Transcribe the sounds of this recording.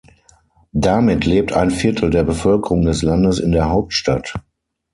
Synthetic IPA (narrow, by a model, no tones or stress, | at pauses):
damɪtʰleːp̚tʰaɪnfɪɐtʰl̩deːɐbəfœlkəʁʊŋdɛslandəsɪndeːɐɦaʊp̚tʃtat